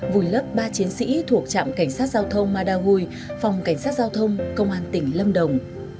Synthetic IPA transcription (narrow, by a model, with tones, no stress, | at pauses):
vu˨˩jlə˦˥p̚ɓaː˧t͡ɕi˨˦ənsḭ˧˥t̪ʰu˨˩ək̚t͡ɕa̰ː˧˨mka˧˩ŋ̟saː˦˥t̚zaː˧wt̪ʰə˧wŋ͡mmaː˧ɗaː˧ɦu˧j | fa˨˩wŋ͡mka˧˩jŋ̟saː˦˥t̚zaː˧wt̪ʰə˧wŋ͡mkə˧wŋ͡mʔaː˧nt̪ï˧˩ŋ̟lə˧mɗə˨˩wŋ͡m